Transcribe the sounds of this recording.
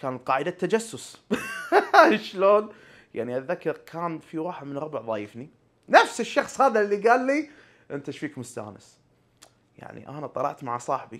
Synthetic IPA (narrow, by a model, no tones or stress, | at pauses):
kaːnat̪̚qɑːʕɪd̪at̪ːad͡ʒasːʊs | ʃloːn | ja̰ʕniʔaðːakːɑɾkʰaːnfiwɑːħɪd̪mɪnɾʊbʕðˤɑjəfni | nafsɪʃːɑxsˤhaːðalːiɡaːlːi | ʔɪnt̪aʃfiːkmʊst̪a̰ːnɪ̰s | ja̰ʕnḭʔa̰nat̪ˤɑlɑ̰ʕt̪maʕasˤɑːħbi